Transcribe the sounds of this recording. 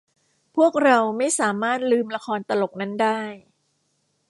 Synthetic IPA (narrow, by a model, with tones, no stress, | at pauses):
pʰu˥˩ək̚ɾa˧wma˥˩jsaː˩˦maː˥˩t̪̚lɯː˧mla˧kʰɔː˧nt̪a˧lo˨˩k̚na˦˥˩ndaː˥˩j